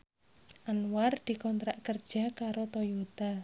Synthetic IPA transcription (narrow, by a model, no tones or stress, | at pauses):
ʔanward̪̥i̤kɔnt̪ɾaʔkərd̥ʒ̥a̤kaɾot̪ojot̪a